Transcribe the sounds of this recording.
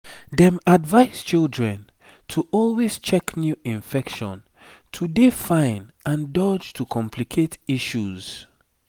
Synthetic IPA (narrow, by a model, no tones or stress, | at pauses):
dɛ̃madvaɪz̥t͡ʃildɹɛ̃n | tʰuʔɔlwez̥t͡ʃɛknjuĩɱfɛkʃɔ̰̃n | tʰudefãɪ̃nãndɔd͡ʒtʰukʰɔ̃mpʰlikʰetiʃuz̥